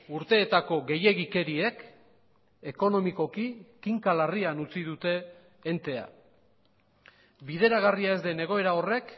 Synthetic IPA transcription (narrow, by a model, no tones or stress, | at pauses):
uɾt̪e̞ːt̪ako̞ɣe̞je̞ɣike̞ɾie̞k | e̞ko̞no̞miko̞kikiŋkalarianut͡sið̞ut̪e̞ː | nt̪e̞a̰ | biðe̞ɾaɣ̞ariae̞zd̪e̞ne̞ɣ̞o̞e̞ɾao̞re̞k